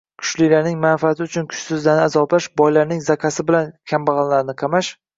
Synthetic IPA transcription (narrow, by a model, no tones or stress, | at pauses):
kʰʊ̥ʃlijlaɾnɪŋmanfiat̪ʰɪʊt͡ʃʰʊnkʰʊ̥ʃsɪzlanɪazɒplaʃbɒjlaɾnɪŋzakʲʰasɪbɪlankʲʰambɑʁɑnlaɾnɪqʰɑmaʃ